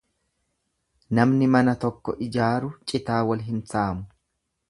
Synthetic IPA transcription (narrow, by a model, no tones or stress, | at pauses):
nɐmnɪmɐnɐt̪ɔkːɔ̰ʔɪd͡ʒaːɾʊt͡ʃʼɪt̪aːwɐlɦɪmsaːmʊ